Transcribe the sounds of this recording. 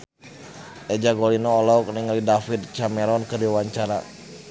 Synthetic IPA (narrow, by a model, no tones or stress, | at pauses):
ʔɛd͡ʒaɡolinɔːlɔk̚niŋlidafit̪̚t͡ʃamɛɾɔnkədiwaɲt͡ʃaɾa̰